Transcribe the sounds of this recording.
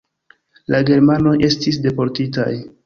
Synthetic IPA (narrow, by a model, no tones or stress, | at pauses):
laɡe̞ɾmano̞jʔe̞stis̬de̞po̞ɾtita̰j